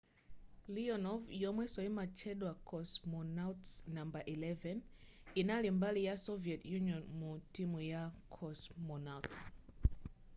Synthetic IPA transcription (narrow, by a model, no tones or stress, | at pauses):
liɔnɔvjɔmwɛsɔimat͡ʃʰɛɗwakʰɔsmɔnatsnambaʔilɛvɛn | inalimbalijasɔviɛtjuniɔnmutimujakʰɔsmɔnawts